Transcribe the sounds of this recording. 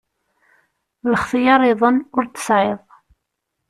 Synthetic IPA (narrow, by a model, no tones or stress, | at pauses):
ləχθəjɑɾˤɪðˤənʊɾt̪ə̥sʕeðˤ